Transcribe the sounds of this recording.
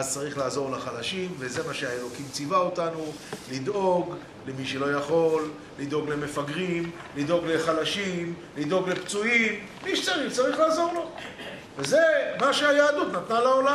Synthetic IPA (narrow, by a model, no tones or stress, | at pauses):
azt͡saʁiχlaːzo̞ʁlaχalaʃimveze̞maʃeaelo̞kimt͡sivaot̪anu | lid̪o̞ɡ | le̞miʃelo̞jaχo̞lː | id̪o̞ɡle̞me̞faɡʁim | lid̪o̞ɡle̞χalaʃimlid̪o̞ɡlept͡suimːiʃet͡saʁiχt͡saʁiχlaːzo̞ʁlo̞ | vezemaʃeajaːd̪ut̪nat̪nalaola